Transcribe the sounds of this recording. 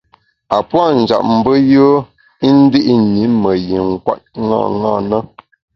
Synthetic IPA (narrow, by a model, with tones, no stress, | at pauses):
a˨pwa˦˨n̩˨d͡ʒa̰˨ʔ̚m̩˨bə˦jə˦ | i˦n̩˦di˦ʔi˦ɲi˨˦mə˨ji˨ŋ˨kwa̰˦t̚ŋa̰˦˨ŋa̰ː˦˨nə˦